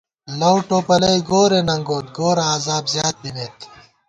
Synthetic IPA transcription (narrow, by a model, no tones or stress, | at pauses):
lɐwʈoːpɐlɐjɡoːɾeːnɐŋɡoːt̪̚ɡoːɾaːzaːbzjaːt̪̚bineːt̪